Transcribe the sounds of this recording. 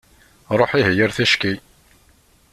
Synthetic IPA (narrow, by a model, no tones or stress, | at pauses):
ɾˤoħiɦjəɾθæʃki